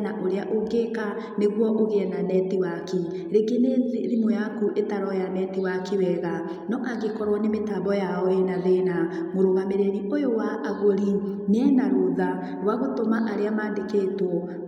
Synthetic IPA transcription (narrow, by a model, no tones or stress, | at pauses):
naʔoɾeaʔoŋɡeka | neɣwɔʔoɣeɛnanɛtiwaki | ɾeɡeneziɾimojakuʔetaɾɔjanɛtiwakiwɛɣa | nɔʔaɣekɔɾwɔnemetaːbɔjaɔɛnaðena | moɾoɣameɾeɾiʔojowaʔaɣoɾi | neɛnaɾoða | ɾwaɣotomaʔaɾeamaːndekeːtwɔ